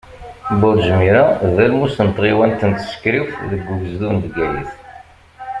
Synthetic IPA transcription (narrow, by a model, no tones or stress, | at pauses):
bʊɾʒmiɾaðælmusənt̪ˤʁiwænt̪ənt̪ːsə̥kːɾifðəɡːuvəzðund̪ɡæjḭθ